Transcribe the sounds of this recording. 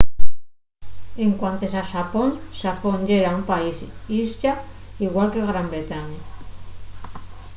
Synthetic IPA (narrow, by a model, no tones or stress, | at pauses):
eŋkwant̪esasaponsafoɲd͡ʒeɾaumpaisizʎaiɣwalkeɣɾambɾet̪aɲa